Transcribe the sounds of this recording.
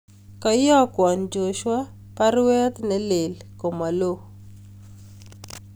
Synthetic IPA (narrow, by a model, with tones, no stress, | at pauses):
kɔ˨jɔ˦kwɔ˨nd͡ʒo˨ʃwa˦ | pa˦rwɛ˦t̪nɛ˦le˨lko˨ma˨lo˦